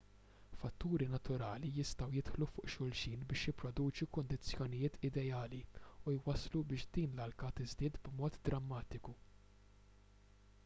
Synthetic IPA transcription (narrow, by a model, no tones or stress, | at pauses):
fɐt̪ːuːɾinɐt̪ʊɾɐːlijɪst̪ɐwjɪt̪ħlufʊːʔʃʊlʃiːnbɪːʃjɪpːɾɔd̪uːt͡ʃukʊnd̪ɪt͡sːjɔnɪjɪːt̪ʰɪd̪ɛjɐːliujwɐslubɪːʃd̪iːnlɐlkɐt̪ɪzd̪ɪːt̪bmɔːt̪d̪ɾɐmːɐːt̪ɪku